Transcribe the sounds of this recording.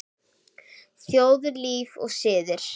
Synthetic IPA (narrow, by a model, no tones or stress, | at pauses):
θjoːwðʏɾliːvɔ̰ɣsɪːðɪɾ̥